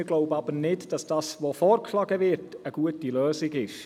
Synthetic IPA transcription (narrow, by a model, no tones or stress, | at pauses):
ɡ̥loʊbəɑbəɾnɪtd̥ɑsd̥ɑːsvofɔːɾkʰlɑɡəvɪrtəɡ̥uətilœːsɪɡɪʃ